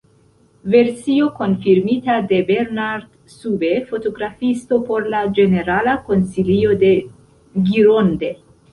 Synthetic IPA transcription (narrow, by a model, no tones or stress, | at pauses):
ve̞ɾsio̞ko̞nfiɾmit̪ad̪e̞beɾnaɾd̪ | subefo̞t̪o̞ɡɾafist̪o̞po̞ɾlad͡ʒe̞ne̞ɾalako̞nsilio̞d̪e̞ | ɡiɾond̪e̞